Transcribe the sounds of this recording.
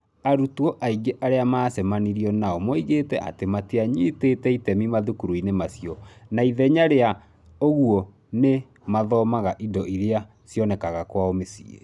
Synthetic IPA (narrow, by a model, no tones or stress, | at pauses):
aɾutwɔʔaiɡeʔaɾeamaːsɛmaniɾiɔnaɔmɔiɣetɛʔa̰temateaɲitetɛitɛmimaðukuɾuinemasjɔnaiðɛɲaɾea | oɣuɔ | ne | maðɔːmaɣaʔidɔʔiɾea | sjɔnɛkaɣakwaomesḭḛ